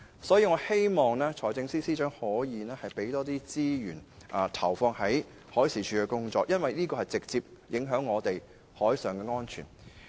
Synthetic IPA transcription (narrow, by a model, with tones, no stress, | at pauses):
sɔː˨˥jiː˧ŋɔː˨˧he˥jmɔː˨ŋlɛː˥t͡ʃʰɔː˨˩jt͡sɪ˧ŋsiː˥siː˥t͡ʃœː˨˥ŋhɔː˨˥jiː˨˧nɛː˥hɐ˨jpe˨˥jt̪ɔː˥t̪iː˥t͡siː˥jyː˨˩nʔɐː˨˧t̪ʰɐ˨˩wfɔː˧ŋhɐ˨˥j | hɔː˨˥jsiː˨˩t͡ʃʰyː˨˧kɛ˧kʊ˥ŋt͡ʃɔː˧˥k̚jʔɐ˥nwɐ˨jniː˥kɔː˧hɐ˨jt͡sɪ˨k̚t͡siː˧p̚jɪ˨˥ŋɦœː˨˥ŋːɔː˨˧t̪e˨j | hɔː˨˥jsœː˨˩ŋkɛː˧ŋɔː˥nt͡ʃʰy̰ː˨˩n